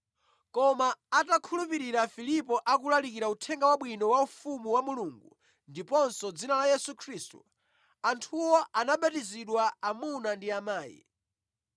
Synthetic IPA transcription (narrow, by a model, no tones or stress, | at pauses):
kɔmaːtakʰulupiɾiɾafilipɔʔak̬ulalikiɾautʰɛŋɡawaɓwinɔwaufumuwamuluŋɡṵ | ndipɔnsɔd͡zinalajɛsukʰɾiːstṵ | antʰuwɔanaɓatiziɗwaamunandiamaːjḭ